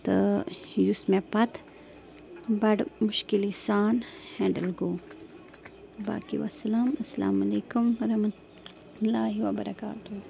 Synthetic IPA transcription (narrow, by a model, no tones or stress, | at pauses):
t̪əjusmẽpɐt̪ | bɐʈmʊʃkilisaːnhɛ̃ːɳɖɐlɡoː | ba̰ːkḭʋa̰sɐlaːmɐsɐla̰ːmɐleːkumɐɾɐmɐ | laːɦiʋabɐɾɐka̰ːt̪u